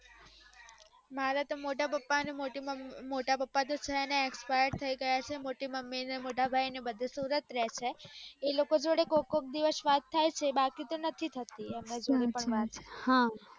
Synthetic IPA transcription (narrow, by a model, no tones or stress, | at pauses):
maɾat̪omoʈapəpːanĩmoʈimoʈapəpːad̪ot͡ʃʰeəneːkspajəɾt̪ʰəiɡəjat͡ʃʰemoʈiməmːinemoʈabʱajnebəd̪ʱesuɾət̪ɾɛt͡ʃʰeelokod͡ʒoɽekokok̚d̪iʋəsʋat̪ʰːajt͡ʃʰebakit̪ənət̪ʰit̪ʰət̪iɛmned͡ʒoɾipəɳʋat̪t͡ʃʰehã